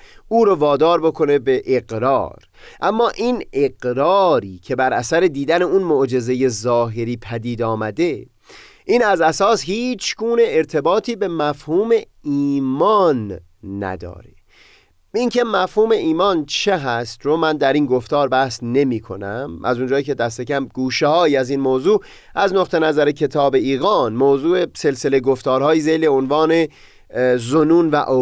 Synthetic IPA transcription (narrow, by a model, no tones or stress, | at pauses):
uːɾovɒːd̪ɒːɾbo̞kʰo̞ne̞be̞ʔeɡɾɒ̰ːɾ | ʔæmːɒːʔiːneɡɾɒːɾiːcʰe̞bæɾæsæɾe̞d̪iːd̪æne̞unmoʔd͡ʒe̞ze̞je̞zɒːɦeɾiːpʰæd̪iːd̪ɒːmæd̪e̞ | ʔiːnæzæsɒːshiːt͡ʃʰɡuːne̞ːɾt̪ʰe̞bɒːt̪ʰiːbe̞mæfhuːme̞ | iːmɒːnː | æ̰d̪ɒ̰ːɾe̞ | iŋkʰe̞mæfhuːme̞ʔiːmɒːnt͡ʃʰeɦæst̪ɾomænd̪æɾiːnɡoft̪ɒːɾbæhsne̞miːkʰo̞̰næmʔæ̰zond͡ʒɒːjicʰe̞d̪æs̬t̪e̞cæmɡ̥uːʃehɒːjiæzinmoːzuː | ʔæznoqt̪ʰe̞næzæɾecʰe̞t̪ʰɒːbe̞iːɣɒːnmoːzuːese̞lse̞leɡoft̪ɒːɾɦɒːjiːzejleonvɒːne̞ | zonuːnvæ̰ʔo